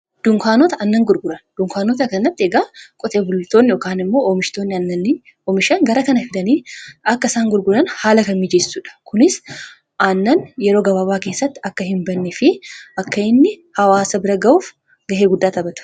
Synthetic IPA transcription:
d̪̥ʊŋkaːnɔt̪ɐʔɐnːɐŋɡʊɾɡʊɾɐnd̪̥ʊŋkaːnɔːt̪ɐkːɐnːɐt̪ːɪɛɡaːkʼɔt̪ʼeːbʊlːɪt̪ːoːnːɪjoːkaːnɪmːo̞ːomɪʃt̪oːnːɪɐnːɐn | omɪʃɐŋɡɐɾɐkɐnɐfɪᶑ̪ɐniːɐkːɐɪsaːŋɡʊɾɡʊɾɐnhaːlɐkɐmmɪd͡ʒesːuːᶑɐ̥kʊnɪs | ʔanːɐnjɛɾo̞ːɡɐbɐbaːke̞ːsːɐt̪ːɪɐkːɐhɪmbɐnːɪfɪʔɐkːɐɪnːɪhɐwaːsɐbɪɾɐɡɐuːf | ɡɐɦeːɡʊd̪ːaːt̪ɐbɐt̪ɐ̥

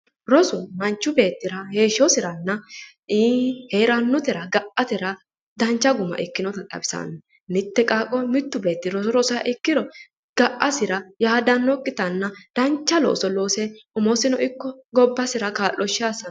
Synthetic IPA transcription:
ɾɔsʊmɐnt͡ʃːʊbe̞ːt̪ːɪɾɐhe̞ːʃɔsɪɾɐnːɐ | iːheːɾɐnːʊt̪ɛɾɐɡɐʔɐt̪ɛɾɐ | d̪ɐnt͡ʃːɐɡʊmɐ̰ʔɪkːɪnɔt̪ɐt̪ʼɐ̰bɪsa̰n | nɪt̪ːɛkʼaːkʼːɔmɪt̪ːʊbe̞ːt̪ːɪɾɔsʊɾɔsɔja̰ʔɪkːɪɾɔ | ɡ̥ɐʔːɐsɪɾɐjaːd̪ɐnːɔkʼːɪt̪ɐnːɐd̪̥ɐnt͡ʃːɐlo̰ːsɔlo̞ːsɛʊmɔsɪnɔʔɪkːɔɡɔbːɐsɪɾɐkaːlːɔʃaːsɐ

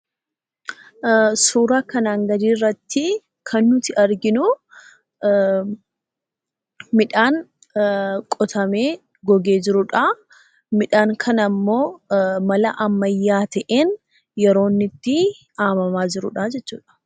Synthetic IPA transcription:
suːɾaːkɐnaːŋɡɐd̪iːrːɐt̪ːɪ | kʰɐnːʊt̪ɪɐɾɡɪnʊ | mɪᶑaːŋ | kʼɔt̪ʰɐme̞ː | ɡɔɡe̞ːd͡ʒɪɾʊᶑa | mɪᶑaːŋkʰɐnɐmːo̞ːmɐlɐʔɐmːɐjːaːt̪ɐʔeːn | jɛɾo̞ːnːɪt̪ːɪ | aːmɐmaːd͡ʒɪɾʊ̰ᶑɐd͡ʒɛt͡ʃːṵːᶑɐ̥

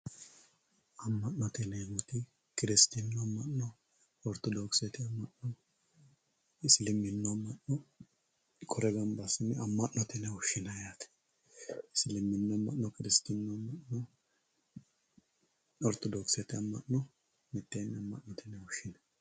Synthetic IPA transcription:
ɐmːɐʔnɔt̪ɛnɛɡʊt̪ɪ | kɪɾɪst̪ɪnːɔɐmːɐʔnɔ | ɔɾt̪ɔd̪oksɛt̪ɪɐmːɐʔnɔ | ɪslɪmːɪnːɔɐmːɐʔnɔ | kʰɔɾɛɡɐmbɐsɪnɪɐmːɐʔnɔt̪ɛnɛwɔʃːɪnɐjat̪ɛ̥ | ɪsɪlɪmːɪnːɔɐmːɐ̰ʔnɔkɪɾɪst̪inːɔɐmːɐnɔ | ɔɾt̪ɔd̪ɔksɛt̪ɪɐmːɐʔnɔ | mɪt̪ːeːnːɐmːɐ̰ʔnːɔt̪ʰɛnɛwɔʃɪnɐ

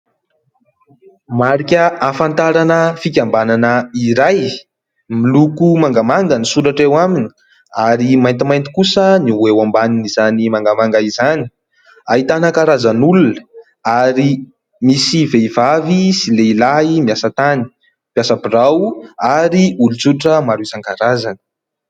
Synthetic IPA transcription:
maɾikʲəafant̪aɾanəfikʲambananəiɾaj | milukumaŋɡamaŋɡənisuɾaʈ͡ʂewamini̥ | aɾimajnt̪imajnt̪i̥kusəniuwewambaninizanimaŋɡamaŋɡaizani̥ | aɦit̪anəkaɾazanulunə̥ | aɾi | misiveivavisileilaimiasət̪ani̥ | pjasapirawaɾiulut͡suɾaʈ͡ʂəmaɾuisaŋkaɾazanə̥

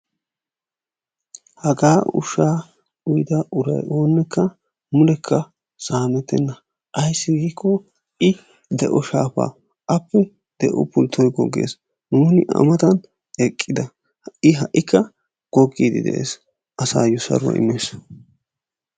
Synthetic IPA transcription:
hɐɡaːʊ̰ʃaː | ʊjd̪ɐʔʊɾɐ̰jo̞ːnːɛkʰːɐ | mʊlɛkʰːɐ | saːmɛt̪ːɛnːɐ | ʔɐjsːɪɡiːkʰːɔ | ʔɪ | d̪ɛʔɔʃaːpa̰ː | ʔɐpːɛ | d̪̥ɛʔɔpʊlt̪ʰːɔjɡɔ̰ɡːḛːs | nuːnɪʔɐ̰mɐt̪ɐn | ɛkʼːɪd̪ɐ | ɪɦɐʔːɪkːɐ | ɡ̥ɔɡːiːd̪ɪd̪ɛ̰ʔḛːs | ʔɐsa̰ːjʊsɐ̰ɾʊɐ̰ɪ̰mːeːs

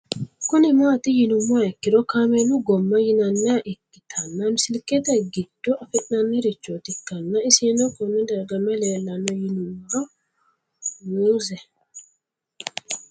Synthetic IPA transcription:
kʊnɪmaːt̪ɪjɪnʊmːaɛkːɪɾɔkamɛnʊɡɔmːɐjɪnɐnːɛaʔɛkːɪt̪ʰɐnːɐmɪsɪlkːɛt̪ɛɡɪd̪̥ːɔʔɐfɛt̪ʼnɐnːɛɾɪt͡ʃːot̪ɪkːɐnːɐɪsiːnɔkɔnːɛd̪ɐɾɡɐmːɛleːlːɐnɔjɪnʊmːa | wuːzɛ

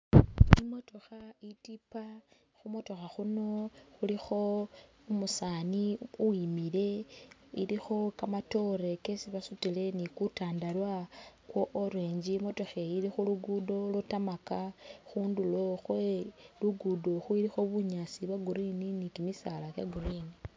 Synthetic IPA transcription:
imo̞to̞xaitipa | xumo̞to̞xaxuno̞xulixo̞ | umusaːniuwimile̞ḭlixo̞kamato̞ɾe̞ke̞siβasutile̞nikutaːndalwakwoʔoɾweːɲd͡ʒimo̞to̞xeilixuluɡudo̞lutamakaxuːndulo̞xweluɡudo̞xuiɾixo̞βuɲasiβaɡuɾininikimisalakjaɡuɾini

